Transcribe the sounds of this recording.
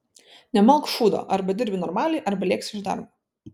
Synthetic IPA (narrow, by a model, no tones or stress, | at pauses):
nʲɛmɐlˠkʃuːd̪o̰ːʔɐɾbɐd̪ʲɪɾʲbʲɪnɔɾmɑːlʲɛɪʔɐɾbɐlʲeːksʲɪʒd̪ɐ̰ɾm